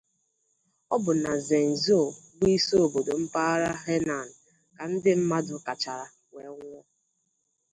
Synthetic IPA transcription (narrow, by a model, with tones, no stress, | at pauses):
ɔ˦bʊ˨na˨ze˨n̩˨zi˦o˨ɡi˦so˦o˨bo˨do˨m̩˦pa˦ɾa˦ɦe˦na˨n̩˨ | ka˨n̩˦dɪ˦m̩˦ma˦dʊ˨ka˨t͡ʃa˨ɾa˨ | ŋʷe˨˦ŋʷɔ˦